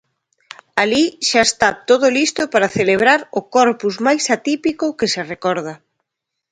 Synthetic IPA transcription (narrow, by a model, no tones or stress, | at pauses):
aliʃaest̪at̪oðʊlist̪opaɾaθeleβ̞ɾaɾʊkɔɾpuzmajsat̪ipikʊkɪserekɔɾðɐ